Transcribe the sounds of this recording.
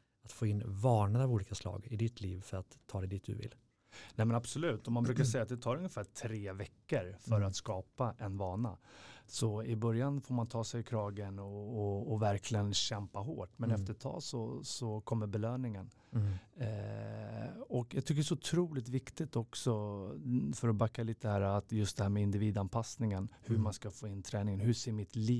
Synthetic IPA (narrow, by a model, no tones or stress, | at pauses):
at̪foːɪnːvɑːɳad̪avuːliːkaslɑ̰ːɡɪd̪ɪt̪ʰlḭːvfœɾat̪ʰːɑːd̪ɛd̪ɪt̪̚d̪ɵ̰vɪ̰lː | nɛmɛnabsɔlʉ̟ːt̪ːɔmanbɾʉ̟kaʂ̬ɛjːat̪̚d̪ɛt̪ʰɑːɾɵŋjəfæːʈʰɾeːvɛkːəɾfœɾat̪skɑːpaʔɛnvɑːɳa̰sɔɪbœɾjanfoːɾmant̪ʰɑːsɛjɪkʰɾɑːɡənɔːvæɾkʰlɪɡənɕɛmpaɦoːʈmɛnɛft̪əʈ̪ʰɑ̰ːsɔsɔkʰɔmːəɾbɛløːnɪŋən | ɔkjɑːɡt̪ʰʏkəɖɛs̬ɔʊt̪ʰɾuːlɪt̪vɪkt̪ɪt̪ɔksɔ | fœɾɔbakːaliːt̪əd̪ɛhæːɾːt̪jɵst̪d̪ɛhæːɾmɛɪnd̪ɪviːd̪anpʰasnɪŋənhɵmanskafoːɪnːt̪ʰɾɛːnɪŋənɦɵseːɾmɪt̪liː